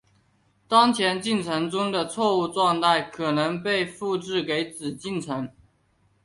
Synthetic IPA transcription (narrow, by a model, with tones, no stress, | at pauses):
t̪ɑ˥ŋt͡ɕʰjɛ˧˥nt͡ɕi˥˩nt͡sʰə˧˥ŋʈ͡ʂʊ˥ŋd̪ə˨t͡sʰwɔ˥˧u˥˧ʈ͡ʂwɑ˥˧ŋt̪a˥˩ɪkʰɤ˨˩nɤ˧˥ŋpe˥˧ɪfu˥˧ʈ͡ʂɻ̩˥˩ke˧˥ɪt͡sɹ̩˨˩t͡ɕi˥˩nʈ͡ʂʰə˧˥ŋ